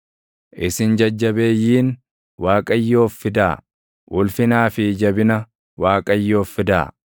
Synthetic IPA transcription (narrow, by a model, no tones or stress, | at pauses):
ʔɪsɪnd͡ʒɐd͡ʒːɐbeːjːiːn | waːkʼɐjːo̞ːfːɪd̪a̰ː | ʔʊlfɪnaːfɪd͡ʒɐbɪnɐ | waːkʼɐjːo̞ːfːɪd̪a̰ː